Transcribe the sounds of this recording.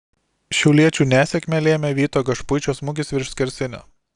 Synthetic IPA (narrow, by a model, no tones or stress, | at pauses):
ʃʲɛʊlʲiɛt͡ʃʲuːnʲæːsʲɛkʲmʲɛlʲeːmʲɛʋʲiːt̪oːɡɐʃpʊɪt͡ʃʲoːsmʊɡʲɪsʋʲɪɾʃʲsʲkʲɪɾʲsʲɪnʲo̰